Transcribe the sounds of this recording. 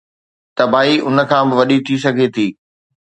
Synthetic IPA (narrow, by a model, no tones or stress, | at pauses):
t̪ɐbaːiʔʊnə̆kʰãːbɪʋɐɗit̪ʰis̬ɐɡʱet̪ʰiː